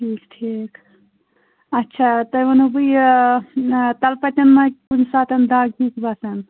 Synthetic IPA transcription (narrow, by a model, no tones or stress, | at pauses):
ʈʰiːkʈʰik | ɐtːt͡ʃʰat̪ɐjʋɐnubɨj | t̪ɐlpɐt̪ʲɐnmɐkunsaːt̪ɐnd̪aːɡikbasɐn